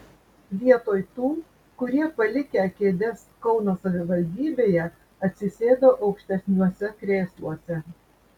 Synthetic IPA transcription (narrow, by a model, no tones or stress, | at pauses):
ʋʲiɛt̪oːjt̪uː | kʊɾʲiɛpɐlʲɪkʲeɐkʲeːd̪ʲɛskɒʊnoːsɐʋʲɪʋɐlʲd̪ʲiːbʲeːjɛ | ɐt̪ʲsʲɪsʲeːd̪oːʔɒʊkʃʲt̪ʲɛsʲnʲuɔsʲɛkɾʲeːslˠuɔsʲɛ